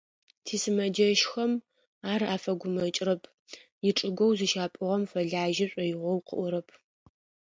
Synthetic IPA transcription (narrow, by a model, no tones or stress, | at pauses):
tʰiːsɨmɐd͡ʒɐʃxɐm | aːraːfɐɡʷʊmɐt͡ʃʼrɐpʰ | jɪʈ͡ʂʼɨɡʷɔwzɨʃaːpʼɨʁɐmfɐɮaːʒɪɕʷʼɐjɪʁʷɔwqʰə̰ʔʷɔɾɐpʰ